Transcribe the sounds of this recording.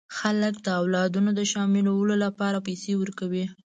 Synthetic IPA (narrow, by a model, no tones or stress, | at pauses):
xaləkd̪əawlɑd̪unod̪əʃɑmɪlawəlolapɑɾapajsewəɾkawi